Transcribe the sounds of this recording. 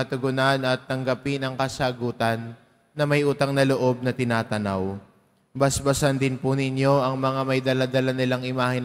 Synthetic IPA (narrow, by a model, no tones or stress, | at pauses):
ɐt̪ʊɡʊnanɐt̪ːɐŋɡɐpɪnɐŋkɐsaɡuːt̪ɐnː | ɐmɐjʔuːt̪ɐŋnɐloʔo̞b̚nɐt̪ɪnaːt̪ɐnaw | bɐsbɐsɐnd̪ɪnpʊnɪnjo̞ʔɐŋmɐŋamɐjd̪ɐlad̪ɐlanɪlaŋʔɪmaːhɪn